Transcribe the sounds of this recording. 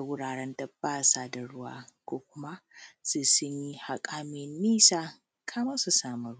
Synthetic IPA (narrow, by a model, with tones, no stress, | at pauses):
a˨wʊ˦ɽaː˨ɽɛ˦ndɐ˦b̥ːaː˦saː˦da˨ɽʊ˦wa̰ː˦kʷoː˦kʷʊ˦ma˦sʊ˦sʊ˦ɲji˦ha˨kʼaː˦mɪ˨nːiː˦saː˦ | kʰaː˦ma˦su˨saː˦˨mɐ˨ɾ